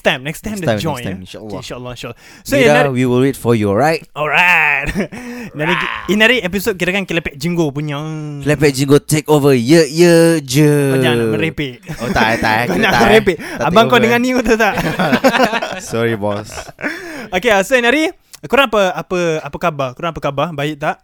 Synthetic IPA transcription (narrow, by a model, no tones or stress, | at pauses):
st̪ãjmnɛkst̪ãjmdəd͡ʒɔ̃nʃalːnʃaəlːɔĩnʃalɔ | soiawiwilwet̚fɔjuɔɹajt̚ɔlɹat̚naɾiinaɾiep̬isot̚kiɾakankilepɛt̚d͡ʒiŋɡopuɲakilepɛt̚d͡ʒiŋɡot̪ekovəjəjəd͡ʒəpaɲãməɾepɪʔ̚oat̪akaɲaaəɾepiʔabaŋkɔdəŋanːĩut̪̬ut̪aʔ | sɔɹibɔs | okeasoinaɾi | kuɾaŋapəapəapəkabakuɾaŋapəkababaɪʔ̚t̪aʔ